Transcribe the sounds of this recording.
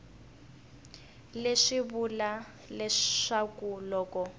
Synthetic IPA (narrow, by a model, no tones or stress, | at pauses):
leʂibula | lɛʂakulɔːkɔ